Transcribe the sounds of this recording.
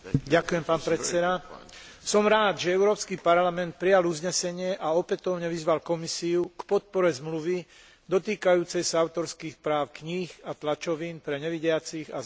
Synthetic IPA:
ɟakujɛmpaːnpɾɛt̪t͡sɛd̪a | sɔmɾaːd̪ʒɛɛʊɾɔːpskipaɾlamɛnt̪̚pɾijaluzɲɛsɛɲɪɛʔaɔpɛt̪ɔʊɲɛʋizʋalkɔmisiukpɔt̪̚pɔɾɛzmluʋi | d̪ɔt̪iːkajuːt͡sɛjsaaʊt̪ɔɾskiːxpɾaːʊkɲiːxat̪lat͡ʃɔʋiːnpɾɛɲɛʋiɟɪat͡siɣa̰

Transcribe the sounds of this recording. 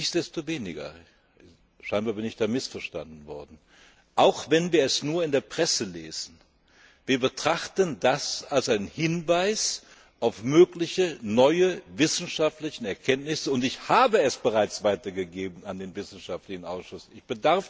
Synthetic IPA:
ɪçd̥ɛstoveːnɪɡɐ̰ | ʃaɪnbaːɐbɪnɪçd̥aːmɪsfɛɐʃta̰ndn̩vɔ̰ɐdn̩ | ʔaʊxvɛnviːɐɛsnuːɐɪndeːɐpʁ̥ɛsəlḛːz̥n̩ | viːɐbətʁ̥aχtəndasalsʔaɪnənhɪnvaɪs | ʔaʊfmøːklɪçənɔʏəvɪsn̩ʃaftlɪçn̩ɛɐkʰɛntnɪsəʊntɪçhaːbəɛsb̥əʁaɪt͡sv̥aɪtɐɡəɡeːbn̩andeːnvɪsn̩ʃaftlɪçn̩ʔa̰ʊsʃʊsɪçb̥ədaɐf

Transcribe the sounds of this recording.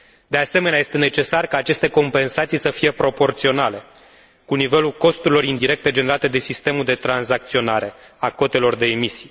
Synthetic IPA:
d̪e̞ase̞meneajest̪e̞ne̞t͡ʃe̞sarkaːt͡ʃe̞st̪e̞ko̞mpe̞nsat̪sijsəfije̞pɾo̞po̞rt̪sio̞nale̞ | kunive̞lulko̞st̪uɾilo̞ɾind̪iɾe̞k̚t̪e̞d͡ʒe̞ne̞ɾat̪e̞d̪e̞sist̪e̞muld̪e̞t̪ɾanzak̚t̪sio̞naɾe̞ | ako̞t̪e̞lo̞rd̪e̞ːmisij

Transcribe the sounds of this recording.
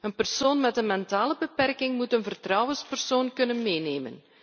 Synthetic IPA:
ənpərsoːnmɛtənmɛntaːləbəpɛrkɪŋmutənvərtrɑwənspərsoːnkɵnənmeːneːmə̰n

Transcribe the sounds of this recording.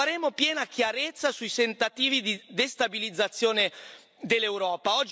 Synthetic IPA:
aɾeːmopjɛːnakjaɾet̪sːasuisent̪at̪iːvid̪id̪est̪abilid̪zːat̪sːjoːne | d̪elːewɾɔːpaɔd͡ʒ

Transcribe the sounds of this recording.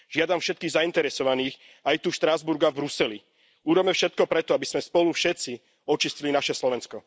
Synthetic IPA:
ʒɪad̪amfʃɛt̪kiːɣzaint̪ɛɾɛsɔʋaniːx | ajt̪uʃt̪ɾazbuɾɡavbɾusɛli | uɾɔmɛfʃɛt̪̚kɔpɾɛt̪ɔabizmɛspɔlufʃɛt̪t͡si | ɔt͡ʃiscilinaʃɛslɔʋɛnskɔ

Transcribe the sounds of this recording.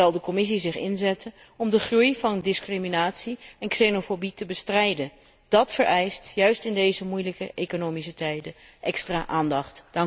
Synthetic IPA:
ɑlˠdəkɔmɪs̬izɪχɪ̰nzɛtən | ɔmdəχrujvɑndɪskriminaːtsiɛnksenofobitəbəstrɛjdən | d̥ɑtfəɹʔɛjstjœɥstɪndejzəmujləkəʔejkonowmisətɛjdə | ʔɛkstraːʔaːndɑχtd̥ɑŋ

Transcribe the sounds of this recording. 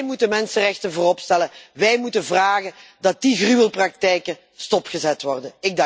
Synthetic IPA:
jmutəmɛnsərɛxtənvoːrɔpstɛləʋɛjmutənvraːɣəndɑt̚diɣryːəlˠprɑk̚tɛjkə | stɔpxəzɛtʋɔrdənɪɡ̚dɑ

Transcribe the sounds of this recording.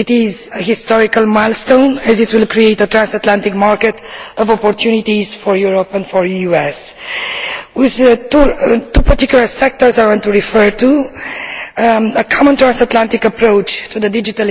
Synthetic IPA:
it̪ɪzəhist̪ɔɹikəlmaɪlˠst̪õnɛzɪt̪wilkɹieɪt̪ət̪ɹãnsat̪lãnt̪ɪkmaɹkɛt̪ɔvɔpɔɹt̪ʰjunit̪izfɔɹjuɹɔpɛ̃ndfɔɹjuɛs | wɪðtut̪upəɹtikjulˠəɹsɛk̚t̪ɔɹzaɹɡõŋt̪uɹifɜɹt̪u | əkʰɔmə̃nt̪ɹãnsat̪lãnt̪ikəpɾoʊt͡ʃt̪ʰuðəd̪id͡ʒit̪al

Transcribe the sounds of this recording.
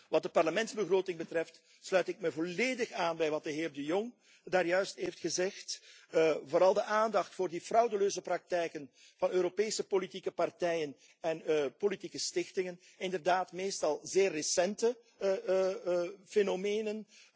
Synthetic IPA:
ʋɑt̚dəpɑrləmɛnzbəɣroːtɪŋbətrɛft | slœɥtɪk̚mɛvoleːdəxaːnbɛjʋɑt̚d̥əɦɪːrdəjɔŋ | daːrjœɥstɦejftxəzɛxt | voːɾɑlˠdəʔaːndɑxtfoːrdifrɑwdəløːzəprɑk̚tɛjkən | v̥ɑnøːɾopeːsəpolitikəpɑrtɛjən | ɛnpolitikəstɪxtɪŋən | ɪndərdaːtmeːstɑlˠzeːrːəsɛntə | fenomeːnən

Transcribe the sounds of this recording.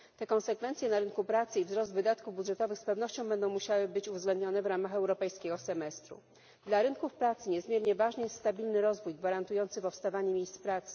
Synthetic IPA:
t̪ɛkɔnsɛkfɛnt̪sʲjɛnaɾɘnkupɾat̪sɘivzɾɔzd̪vɘd̪at̪kuvbud̪ʐɛt̪ɔvɘxspɛvn̪ɔɕt͡ɕɔ̃w̃bɛnd̪ɔ̃w̃muɕawɘbɘt͡ɕuvzɡlɛnd̪ɲɔnɛvɾamaxɛwɾɔpɛjskʲeɡɔsɛmɛst̪ɾṵ | d̪laɾɘŋkufpɾat̪sɘɲɛzmʲjɛɾɲɛvaʐnɘjɛst̪st̪abʲilnɘɾɔzvujɡvaɾant̪ujɔnt̪sɘpɔfst̪avaɲɛmʲejst̪spɾat̪sɘ̥

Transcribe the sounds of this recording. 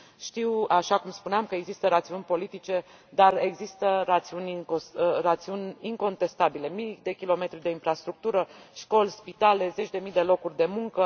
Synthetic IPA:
ʃt̪iwaʃakumspuneamkəe̞ɡzist̪əɾat̪siunʲpo̞lit̪it͡ʃe̞ | d̪are̞ɡzist̪əɾat̪siunʲirat̪siunʲiŋko̞nt̪e̞st̪abile̞mid̪e̞kʲilo̞me̞t̪ɾid̪e̞infɾast̪ɾuk̚t̪uɾəʃko̞lspit̪ale̞ze̞t͡ʃʲd̪e̞mid̪e̞lo̞kurʲd̪e̞muŋkə

